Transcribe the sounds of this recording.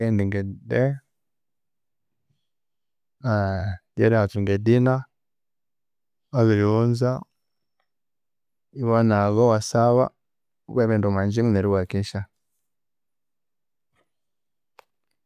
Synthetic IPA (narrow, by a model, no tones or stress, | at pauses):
ɛndiŋɡɛdɛ | adɛɾiatuŋɡɛdina | aβiɾiunza | iβanaɣɔwasaβa̰ | βwɛβɛndumaɲd͡ʒiŋuneɾiwakiʃa